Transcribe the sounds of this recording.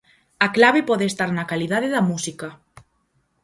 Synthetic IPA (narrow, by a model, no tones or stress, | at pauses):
aklaβepɔðeest̪aɾnakalið̞aðeðamusika